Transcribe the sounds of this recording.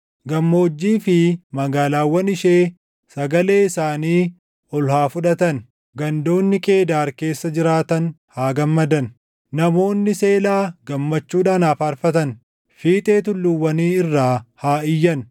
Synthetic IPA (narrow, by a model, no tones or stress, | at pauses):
ɡɐmːo̞ːd͡ʒːiːfɪmɐɡaːlaːwːɐnɪʃeː | sɐɡɐle̞ːɪsaːniː | ɔlhaːfʊᶑɐt̪ɐn | ɡɐnd̪o̞ːnːɪkʼe̞ːd̪aːɾke̞ːsːɐd͡ʒɪɾaːt̪ɐnhaːɡɐmːɐd̪ɐn | nɐmo̞ːnːɪse̞ːlaːɡɐmːɐt͡ʃːuːᶑaːnaːfaːɾfɐt̪ɐn | fiːt̪ʼeːt̪ʊlːʊwːɐniːɪrːaːhaːɪjːɐn